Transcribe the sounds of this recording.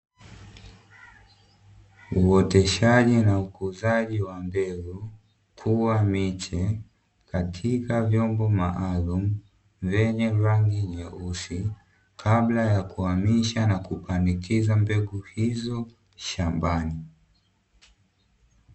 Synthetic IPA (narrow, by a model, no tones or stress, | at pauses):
uɔtɛʃaʄinaukuzaʄiwambɛɡu | kʰuwamit͡ʃɛ | katʰikavjɔmbɔmaʔalumu | vɛɲɛɾaŋɡiɲɛʔusi | kʰablajakuamiʃanakupandikʰizambɛɡuhizɔ | ʃambani